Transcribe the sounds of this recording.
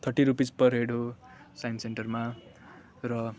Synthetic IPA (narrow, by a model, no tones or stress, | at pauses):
t̪ʰʌʈiɾupid͡zpʌrɦeɽo | sajnseɳʈʌrma | rʌ